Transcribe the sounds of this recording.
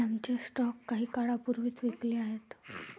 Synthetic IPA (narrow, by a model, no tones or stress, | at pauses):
amt͡ɕesʈɔkːaɦiːkaɽapuɾʋiːt̪ʋekleːaɦet̪